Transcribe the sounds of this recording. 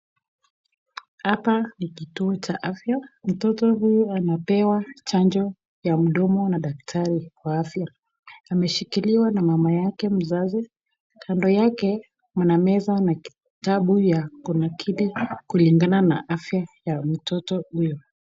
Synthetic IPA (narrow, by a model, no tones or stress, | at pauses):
hapanikituɔt͡ʃaʔafjam̩tɔtɔɦujuanapɛwat͡ʃand͡ʒɔ | jam̩ɗɔmɔnaɗaktʰaɾiwaafjaː | mɛʃikiliwanamamajakɛm̩zazi | kʰandɔjakɛ | mwanamɛzanaki̥ | taɓujakunakʰiɗikuliŋɡananaʔafjajam̩tɔtɔhujɔ